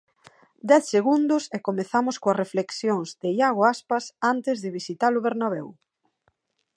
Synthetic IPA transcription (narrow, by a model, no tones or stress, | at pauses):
d̪ɛθseɣund̪ʊsekomeθamʊskoɐrefleksjoŋzd̪ɪjaɣoaspasant̪ɪzðɪβisit̪alʊβeɾnaβɛw